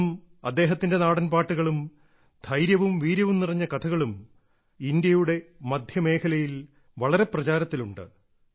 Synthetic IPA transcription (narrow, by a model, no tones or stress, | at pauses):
m | ɐd̪ːe̞ːɦɐt̪ːinde̞naːɽɐnpaːʈːuɣɐɭum | d̪ʱɐjɾjɐʋumʋiːɾjɐʋumnirɐɲːɐkɐt̪ʰɐɣɐɭum | ind̪jɐjuɽe̞mɐd̪ʱjɐme̞ːkʰɐlɐjil | ʋɐɭɐɾe̞prɐt͡ɕaːɾɐt̪ːiluɳɖɨ̰